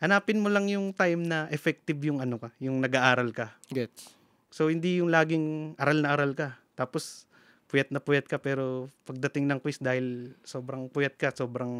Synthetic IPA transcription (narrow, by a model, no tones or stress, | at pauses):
ʔɐnaːpɪnmolɐŋjʊŋt̪ajmnɐʔɛfɛk̚t̪ɪbjʊŋʔɐnokɐjʊŋnɐɡaʔaːɾɐlkɐɛ | so̞hɪnd̪ijʊŋlaːɡɪŋʔɐɾalnɐʔaɾalkɐt̪aːpo̞s | pʊjɐt̪nɐpʊjɐt̪̚kɐpɛːɾo̞pɐɡ̚d̪ɐt̪ɪŋnɐŋkwist̪̚d̪aːhɪlso̞ːbɾɐŋpʊjɐt̪̚kɐso̞ːbɾɐŋ